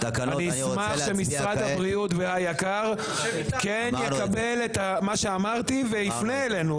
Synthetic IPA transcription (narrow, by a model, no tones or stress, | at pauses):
aniismaχʃemisʁad̪habʁiut̪vehajakaʁ | kenjekabe̞let̪amaʃeamaʁt̪ivelifneelenu